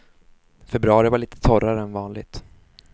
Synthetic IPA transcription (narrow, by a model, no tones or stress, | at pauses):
fɛbɾɵɑːɾɪvaɭiːt̪ə̥t̪ʰɔɾaɾəɛnvɑːnlɪ̰ɡt̪